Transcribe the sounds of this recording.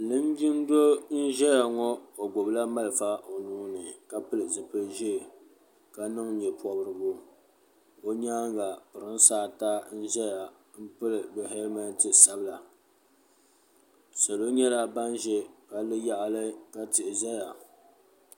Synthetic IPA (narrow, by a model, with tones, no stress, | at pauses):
lɨ˦n˦ɡɪ˦n˦do˦n̩˦ʒɛ˦ja˨ŋɔ˦o˨ɡ͡bʊ˨bla˦ma˦lfa˦ʔo˨nuː˦nɨ˨ka˦pɨ˦lɨ˨zɨ˨pɨ˦ʒɛ˦˨ | ka˦nɨ˦ŋɲɛ˨pʰɔ˨bɾɨ˨bʊ˦ | o˦ɲaː˦ŋɡa˨pɨ˨ɾɨ˦n˦saː˦ta˦n̩˦ʒɛ˦ja˨ | m̩˦pɨ˦lɨ˨bɛ˨ɦɛ˦lma˦n˦tɨ˨sa˦bɨ˦la˨ | sa˨lo˦ɲɛ˦la˦ba˦nʒɛ˦ka˦lɨ˦ja˦ʔa˨lɨ˦ka˦tɪ˨ʔɪ˨zɛ˦ja˨